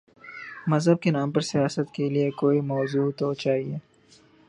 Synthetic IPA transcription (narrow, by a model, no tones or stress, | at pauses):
mɐzɦəb̚kenaːmpɐɾsijaːsət̪keliekoːimɔːzuːt̪ot͡ʃaːɦieː